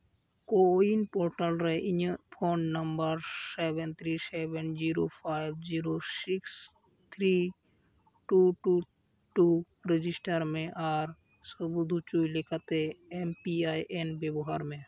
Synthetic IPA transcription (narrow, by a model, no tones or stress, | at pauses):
koinpoːɾʈəlɾəeʔɪɲpʰoːɳɖnəmbəɾsebənt̪ʰɾiːsebənd͡ʒiɾopʰaːɪbd͡ʒiːɾosɪks | t̪ʰɾi | ʈuʈu | ʈu | ɾɪd͡ʒɪsʈəɾmẽʔaːɾ | səbud̪ʱut͡ʃuilɪkʰət̪eempiajʔenbjebɔɦaɾmẽ